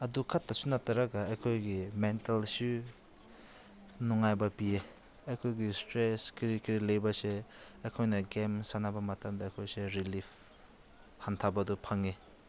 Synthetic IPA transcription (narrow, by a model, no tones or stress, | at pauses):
ɐdukʰatːɐsunatɐɾaɡɐaɐjkʰojɡimentelsu | nɔŋajbɐpie | ɐjkʰojɡistɾeskɾikiɾilɐjbɐseɐjkʰojnɐɡemsanabɐmɐtamdɐːjkʰojseɾilipʰ | hantʰabɐdupʰaŋe